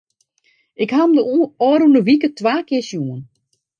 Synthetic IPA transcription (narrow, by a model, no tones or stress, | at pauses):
ɪkhamdəɔːɾunəʋikətʋaːkɪsjuən